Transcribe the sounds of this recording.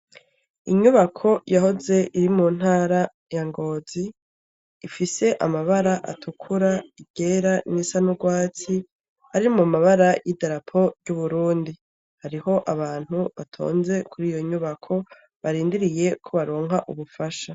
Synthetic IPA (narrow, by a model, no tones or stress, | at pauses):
iɲuβakʰo̞jaho̞ze̞ʔiɾimuːn̥haːɾa | jaŋɡo̞ːziː | fise̞ʔamaβaɾaʔa̰tʰukʰuɾaiɡ̥e̞ɾanisanuɡwaːt͡si | haɾimumaβaɾajideɾapʰo̞ɟuβuɾuːndi | haɾiho̞ʔaβaːn̥huβatʰo̞̰ːnze̞kʰuɾiːjo̞ɲuβakʰo̞ | βaɾiːndiɾije̞kʰoβaɾoːŋɦaʔuβufaʃa